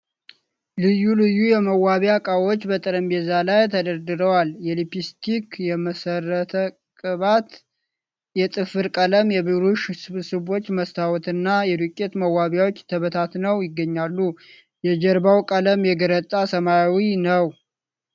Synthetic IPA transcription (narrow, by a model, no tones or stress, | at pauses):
lɨjːulɨjːujɛməwaβjakʼawo̞t͡ʃːbət̪ʼɨɾəmbezalajt̪ʰəd̪əɾd̪ɨɾəwaljɛlipist̪ʰikjɛməsərːət̪ʰə | kʼɨβat̪ | jɛt̪ʼɨfɨɾkʼələmjɛβɨɾuʃsɨβsɨβo̞t͡ʃːməst̪ʰawɔt̪ɨnːajɛd̪ukʼːet̪məwaβjawot͡ʃːt̪ʰəβət̪ʰat̪nəwjɪɡːəɲːalːu | jɛd͡ʒəɾbawkʼələmjɛɡəɾət̪ʼasəmajawinəw